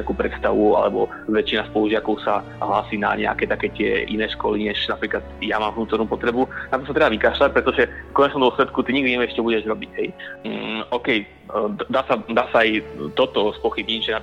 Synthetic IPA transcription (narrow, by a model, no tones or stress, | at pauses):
ɛakuːpɾɛt̪st̪aʋua̰lɛbɔ | ʋɛt͡ʃinaspɔluʒɪakɔʊsa | ɦlaːsiːna̰ɲɛ̰a̰kɛːt̪akɛːt̪ɪɛ̰ʔinɛːʃkɔliɲɛʒnapɾiːklad̪jamaːmɦnuːt̪ɔɾnuːpɔt̪ɾɛbunat̪ɔsat̪ɾɛbaʋikaːʃlac̚pɾɛt̪ɔʒɛfkɔɲɛt͡ʃnɔmd̪ɔslɛt̪kut̪iɲiɡd̪iɲɛʋɛʃcɛbuɟɛʒɾɔbiɟɦɛj | ɔːkɛj | d̪aːsad̪aːsaːjt̪ɔt̪ɔspɔxibɲiɟʒɛna